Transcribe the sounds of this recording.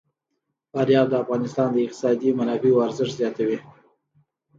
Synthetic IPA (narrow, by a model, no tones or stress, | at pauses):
faɾjɑld̪əafɣɑnɪst̪ɑnd̪əɪq̚t̪ɪ̥sɑd̪imanɑbewaɾzɪʂzjɑt̪awi